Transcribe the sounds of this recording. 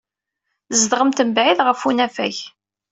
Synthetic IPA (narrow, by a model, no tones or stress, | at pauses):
zd̪ʁəmt̪əmbʕiðʁəfunæfæç